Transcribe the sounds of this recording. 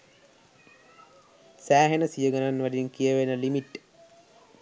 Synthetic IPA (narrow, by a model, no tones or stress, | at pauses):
sæːɦenəsijəɡananʋadinkijəʋenəlimiʈː